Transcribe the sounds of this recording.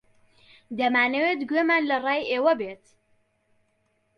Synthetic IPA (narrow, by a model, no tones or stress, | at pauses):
d̪ɐmaːnəwet̪ɡweːmaːnlɐrɑːjeːwɐbet̪